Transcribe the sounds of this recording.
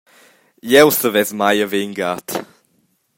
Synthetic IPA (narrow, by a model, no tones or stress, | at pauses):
jɛwsəvɛzmajəveŋɡat̪